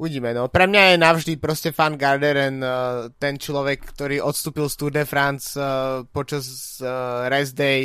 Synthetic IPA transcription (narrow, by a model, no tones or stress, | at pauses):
uʋiɟiːmɛnɔpɾɛmɲajɛnaʊʒd̪ipɾɔscɛfanɡaɾd̪ɛɾɛnt̪ɛnt͡ʃlɔʋɛkːt̪ɔɾiːʔɔt̪st̪uːpilst̪uɾd̪ɛfɾant͡spɔt͡ʃaz | ɾɛzd̪ɛj